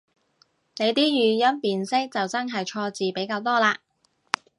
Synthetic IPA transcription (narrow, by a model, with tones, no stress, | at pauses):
ne˨˧jt̪iː˥jyː˨˩jɐ˥npiː˨nsɪ˥k̚t͡sɐ˨wt͡sɐ˥nɦɐ˨jt͡ʃʰɔː˧t͡siː˨pe˨˥jkaː˧wt̪ɔː˥laː˧